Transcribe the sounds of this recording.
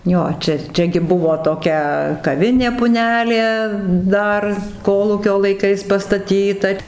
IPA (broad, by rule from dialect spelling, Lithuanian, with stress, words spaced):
ˈjoː ˈt͡ʃʲɛ ˈt͡ʃʲɛ ɡʲɪ ˈbʊʋoː toːˈkʲɛ kɐˈʋʲɪnʲeː pʊˈnʲæːlʲeː ˈdɐr ˈkoːlˠuːkʲoː lˠɐɪˈkɐɪs pɐstɐˈtʲiːtɐ